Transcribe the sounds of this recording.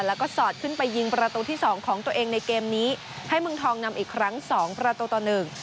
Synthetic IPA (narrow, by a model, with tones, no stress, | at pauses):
lɛː˦˥wkɔː˥˩sɔː˨˩t̪̚kʰɯ˥˩npa˧jːi˧ŋpɾa˧t̪uː˧t̪ʰiː˥˩sɔː˩˦ŋkʰɔː˩˦ŋt̪u˧əʔeː˧ŋna˧jkeː˧mniː˦˥ | ha˥˩jmɯ˧ŋt̪ʰɔː˧ŋna˧mʔiː˨˩kʰɾa˦˥ŋsɔː˩˦ŋpɾa˧t̪uː˧t̪ɔː˨˩nɯ˨˩ŋ